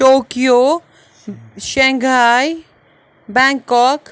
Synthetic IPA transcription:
oːkijo | ʃɛ̃ŋɡʱaːj | bɛ̃ŋkːɔːk

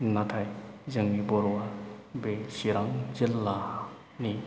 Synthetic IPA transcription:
natʰajzɯŋnibɔɾwabesiɾaŋzilːa | ni

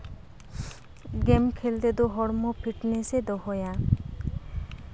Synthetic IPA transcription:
ɡɛmkʰeld̪ed̪oɦɔɽmɔpʰiʈnesed̪ɔɦɔja

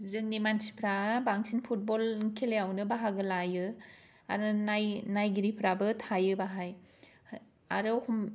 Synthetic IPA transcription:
zɯŋnimansi̥pʰɾabaŋsinpʰut̚bɔlŋkʰeleawnɯbaɦaɡɯlajɯ | a̰ɾɯnajnajɡiɾipʰɾabɯtʰajɯbaɦaj | a̰ɾɯhʰɔm

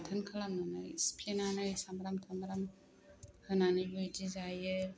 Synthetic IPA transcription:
tʰɯnkʰalaŋana̰jspʰenanajsamɾamtʰamɾam | hɯnanibɯjdizajɯ

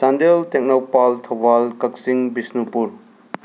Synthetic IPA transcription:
sandeltek̚nawpaltʰɐbalkɐk̚siŋbisnupuɾ

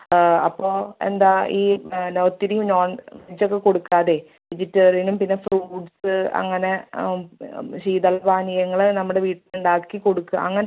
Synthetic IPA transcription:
ɐpːo̞ːe̞̰nd̪aːiːnoːt̪ːiɾijumnoːɳʋit͡ɕːo̞kːe̞ko̞ɽukːaːðe̞ | ʋid͡ʑitːɐrinumpinːefruːɖsɨɐ̰ŋːɐne̞ | ɕiːd̪ɐɭːbaːnijɐŋːɐɭnɐmːuɽeʋiːʈːɨluɳɖaːkːiko̞ɽukːuɐ̰ŋːɐn

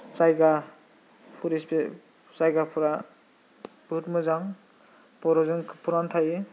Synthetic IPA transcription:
sajɡa | pʰuɾispe | sajɡapʰuɾa | b̥ʱutmɯzaŋ | pɔɾɔzɯŋkpʰuɾant̪ʰaje

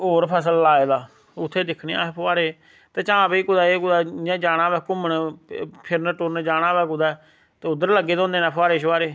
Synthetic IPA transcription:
oːɾpʰəs̬əlːaːeːd̪aː | ʊt̪ʰːeːd̪ɪkʰniːa̰ːepʰʊaːɾeː | t̪eːt͡ʃãːpiːkʊd̪aːeːkʊd̪aːjãːd͡ʒaːɽãːʋɛːkʊməɳpʰɪɾnəʈʊɾnd͡ʒaːɽ̃ãːʋɛːk̬ʊd̪aː | t̪eːʊd̪əɾləɡːeːd̪õːnd̪eːnãːpʰʊaːɾeːʃʋaːɾeː

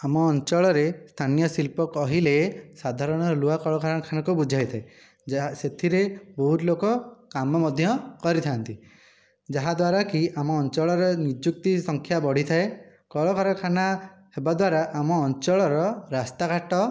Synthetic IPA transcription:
amɔːnt͡ʃɔɭɔɾest̪ʰanijɔsilpɔkɔɦilesad̪ʱaɾɔɽ̃ɔluakɔɭɔkʰaɾɔɔkʰanɔkubud͡ʒʱajt̪ʰae | set̪ʰiɾebɔɦut̪lokɔkamɔmɔd̪ʱjɔkɔɾit̪ʰant̪i | d͡ʒaɦad̪waɾakiamɔːnt͡ʃɔɭɔɾɔnid͡ʒuk̚t̪isɔŋkʰjabɔɽ̤it̪ʰae | kɔɭɔkʰaɾɔkʰana | hebad̪waɾaʔamɔːnt͡ʃɔɭɔɾɔɾast̪akaʈɔ

